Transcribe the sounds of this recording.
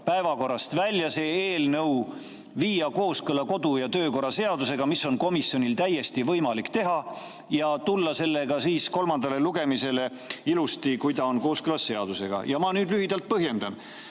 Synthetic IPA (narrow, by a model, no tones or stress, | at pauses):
pæevɑko̞rːɑst̪vælʲjɑse̞ːeːlnɤw | viːjɑko̞ːskɯlɑko̞d̪̥ujɑt̪ø̞ːko̞ɾɑse̞ɑd̪use̞ɡ̥ɑmisːo̞nko̞misjo̞nʲilt̪æjːe̞st̪ivɤjmɑlikt̪e̞ɦɑ | jɑt̪ulːɑse̞lːe̞ɡ̥ɑsiːsko̞lmɑnd̪̥ɑleluɡe̞mise̞le̞ | ilust̪ikujd̪ɑonko̞ːskɯlɑsːe̞ɑd̪̥use̞ɡ̥ɑ̰jɑmɑnyːd̪lyɦid̪̥ɑlt̪̚pɤɦje̞nd̪ɑn